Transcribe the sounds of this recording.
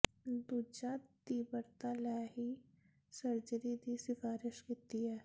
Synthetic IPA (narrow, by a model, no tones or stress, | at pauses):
d̪uːd͡ʒãːt̪iːbəɾt̪aːlaɦi | sɐɾd͡ʒəɾid̪isɪfaːɾɪʃkɪt̪iɦɛː